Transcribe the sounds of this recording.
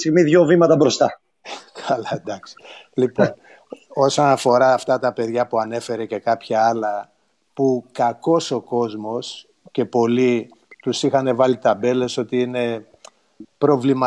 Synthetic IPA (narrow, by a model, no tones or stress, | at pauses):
t̪iɣmiðʝo̞vimɐt̪ɐbɾo̞st̪ɐ | kʰɐlɐd̪ɐksi̥lipon | o̞sonɐfo̞ɾɐːft̪ɐt̪ɐpe̞ðʝɐpuɐne̞fe̞ɾe̞ce̞kɐpçɐɐlɐ | pukɐko̞so̞ko̞zmo̞s | ce̞po̞li | t̪usixɐne̞vɐlit̪ɐbe̞le̞so̞t̪iine̞ | pɾo̞vlimɐ